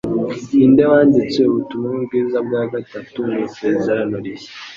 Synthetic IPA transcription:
inde̞waːndit͡sweuβutumuubɡiːzab̚ɡaːɡatatumuseːzaɾanoɾije̥

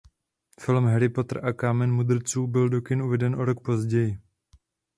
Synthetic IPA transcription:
fɪlmɦɛɾɪpo̞t̪r̩ʔakamɛnmud̪r̩t͡suːbɪldo̞kɪnʔuvɛdɛnʔoɾo̞k̚po̞zɟɛjɪ

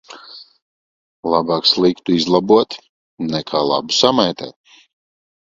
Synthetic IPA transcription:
lˠabaːkslˠikt̪uizlˠabuɔt̪ | nɛkʰaːlˠa̰bu̥samajt̪ɛ̰ːt̪̚

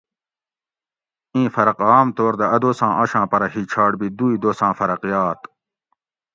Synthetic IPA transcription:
ĩːfɐɾɐqaːmt̪oːɾd̪ɐɐd̪oːsãːʔɐɕãːpɐɾɐɦiːt͡ɕʰaːɽbid̪uid̪oːsãːfɐɾɐqjaːt̪

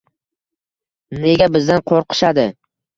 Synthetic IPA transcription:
ne̞ɡʲabɪzd̪anqʰoɾqʰɨ̥ʃad̪ɪ

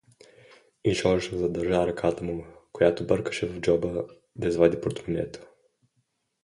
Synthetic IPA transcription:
iʃɔʒɛʃɛzɐd̪ɐɾʒaɾɐkʰat̪əmukojat̪obɤɾkə̥ʃɛvɐvd͡ʒɔbə | d̪ɐizvad̪ʲipɾot̪munʲɛ̰t̪o̥

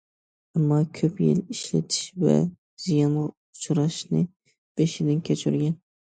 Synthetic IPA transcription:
amːɑkʲʰɵpjḛliʃla̰t̪ʰɪ̥ʃva̰ | z̥ijɑn | ʊt͡ʃʰɾɑʃnɪ | b̥eʃɪd̪ɪnkʲʰet͡ʃʰyɾɡʲan

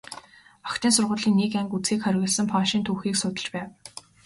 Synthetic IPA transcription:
ɔkt̪iːnsʊrʁʊːɮiːnːikæŋkut͡sxiːkχœɾʲɣʲɪ̆ɮsə̆mpʰɔːʃiːnt̪ʰuːxiːksʊt̪ə̆ɮt͡ɕpæːw

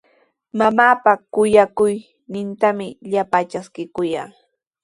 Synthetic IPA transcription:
mamaːpakʊjakʊj | nɪnt̪amɪʎapat͡ʃaskɪkʊja̰ŋ

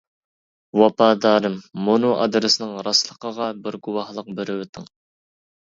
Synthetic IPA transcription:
wɑpɑːd̪ɑːɾɨmːonuʔɑ̰d̪ɾɨsɨnɨŋɾɑslˠəqəʁɑbɪɾɡuwɑhlˠəq̚beɾɪwɪt̪ʰɪŋ

